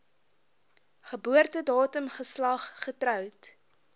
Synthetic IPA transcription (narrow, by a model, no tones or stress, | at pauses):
χəbuərtədɑːtəmχəslɐχːətrœwt